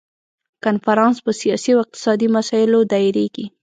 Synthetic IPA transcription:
kanfaɾɑnspəsijɑsiawɪq̚t̪ɪ̥sɑd̪imasɑjɪlod̪ɑjiɾeɡi

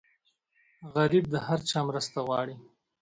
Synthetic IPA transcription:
ɣaɾib̚d̪əhaɾt͡ʃɑmɾəst̪aɣwɑɽi

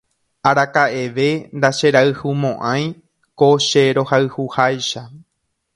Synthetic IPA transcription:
aɾakaʔe̞ʋe̞nd̪aʃe̞ɾaɨhumõʔãj̃ | koʃeɾo̞haɨhuhajʃa

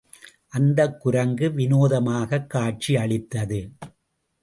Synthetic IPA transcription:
ʔɐnd̪ɐkːʊɾɐŋɡɯʋɪnoːðɐmaːɣɐkːaːʈ̚t͡ʃiɐɭɪt̪ːɐðɯ

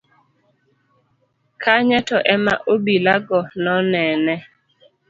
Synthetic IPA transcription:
kʰaɲɛtɔʔɛma̰ʔobilaɡɔnɔnɛnɛ

